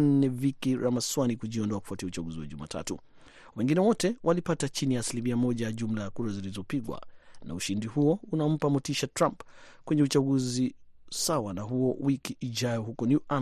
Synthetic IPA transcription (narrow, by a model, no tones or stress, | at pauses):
nɛvikiɾamaswanikuʄiɔndɔaku̥fwatiaut͡ʃaɡuziwa̰ʄuma̰ːtʰa̰tu | wɛŋɡinɛwɔtɛwʔalipatat͡ʃinijaːsilimiamɔʄajaʄum̩lajakuɾazilizɔpiɡwa̰na̰uʃindihuɔunam̩pamɔtiʃatɾampkwɛɲɛut͡ʃaɡuzisawanaɦuɔwikiʔːʄajɔɦukɔnjuʔa